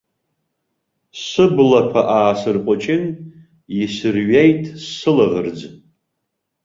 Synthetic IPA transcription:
sɨblakʷʰaʔaːsɨrqʷʼʊt͡ʃʼɪn | jisɨrɥejtʼsɨlaʁɨrd͡z

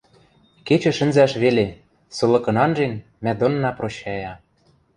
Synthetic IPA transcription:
ket͡ɕɘ̆ʃɘ̆nzæʃβele | sɤ̆lɤ̆kɤ̆nɑnʒen | mæd̪onːɑproɕɑjɑ

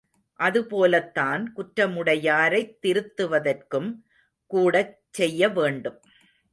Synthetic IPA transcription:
ʔɐðɯpoːlɐt̪ːaːnkʊʈɾɐmɯɽɐjaːɾɐɪt̪ːɪɾɯt̪ːɯʋɐðɐrkɯm | kuːɽɐt͡ʃːɛjːɐʋeːɳɖɯm

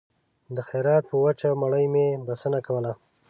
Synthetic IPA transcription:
d̪əxaɾɑt̪̚pəwət͡ʃamaɽəjmebasənakawəla

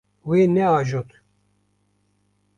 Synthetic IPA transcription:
weːnɛaːʒot̪ʰ

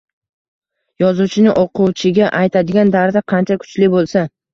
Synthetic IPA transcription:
jɒzut͡ʃʰɪnɪʔoqʰuwt͡ʃʰɪɡʲaʔajt̪ʰad̪ɪɡʲand̪aɾd̪aqʰɑnt͡ʃʰakʰʊ̥t͡ʃlɪbolˠsa

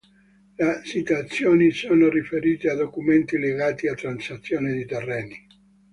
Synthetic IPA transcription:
lasit̪at̪sːjoːnisoːnorifeɾiːt̪ead̪okument̪ileɡaːt̪iat̪ːɾansat̪sːjoːned̪it̪erːɛːni

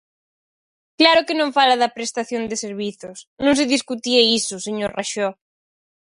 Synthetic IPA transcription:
klaɾʊkɪnõɱfalaðɐpɾest̪aθjond̪ɪseɾβiθʊsnõŋs̬ɪðiskut̪ieisʊseɲoɾraʃɔ

